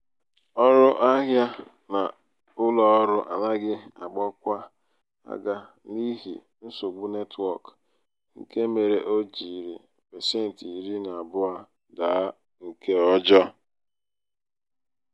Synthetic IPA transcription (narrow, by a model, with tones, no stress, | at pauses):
ɔ˦ɾʊ˦ʔa˦ɦja˦ | na˨ | ʊ˦lɔ˨ɔ˦ɾʊ˦ʔa̰˨la˦ɡɪ˦a˨ɡ͡bɔ˦kʷa˦ | a̰˦ɡa˦ | li˦ɦḭ˨ | n̩˦so˨ɡ͡bu˦ne˦tʰwɔ˦˨k | ŋ̩˦ke˦me˨ɾe˨ʔo˦d͡ʒi˨ɾi˨ | pe˨se˦n̩˨ti˨i˨ɾi˦na˨bʊ˦a˦ | daː˨˦ | ŋ̩˨kʰe˦ɔ˦d͡ʒɔ˦